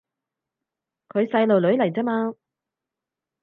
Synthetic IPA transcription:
kʰɵ˨˧ɥsɐ˧jlo˨wlɵ˨˧ɥlɐ˨˩jt͡sɛː˥maː˧

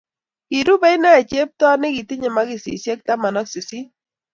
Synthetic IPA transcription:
ki˨ɾu˦bɛ˦i˦na˦˨t͡ʃe˦p̚tɔ˦nɪ˦ki˨ti˦ɲɛ˨ma˦ki˨sḭ˨sjɛ˦k̚ta˦ma˨nɔ˦ksi˨si˦

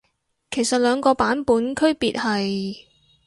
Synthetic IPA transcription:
kʰe˨˩jsɐ˨t̚lœː˨˧ŋkɔː˧paː˨˥npuː˨˥nkʰɵ˥ɥpiː˨˧t̚hɐ˨j

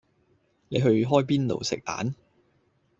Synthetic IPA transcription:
ne˨˧jɦɵ˧ɥɦɔː˥jpiː˥nlo̰˨wsɪ̰˨k̚t̪a̰ː˨˥n

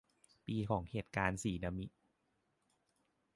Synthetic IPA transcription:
piː˧kʰɔː˩˦ŋheː˨˩t̪̚kaː˧nsiː˨˩˦na˧mi˦ʔ

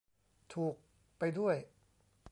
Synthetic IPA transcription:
t̪ʰuː˨˩k̚ | pa˧jdu˥˩əj

